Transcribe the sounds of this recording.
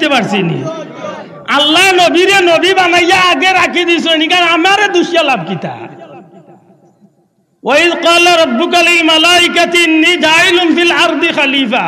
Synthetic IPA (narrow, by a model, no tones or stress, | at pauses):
t̪epaɽsinḭ | alːanobiɾenɔbibamajːaːɡeɾakid̪is̬ɔnikanamaɾed̪uʃjalab̚kit̪a̰ | waid̪qaːlaɾˤɔbːʊkalilmɐlaːɪkat̪iɪnːid͡ʒaːɪlʊnfilɑɾd̪ixaliːfa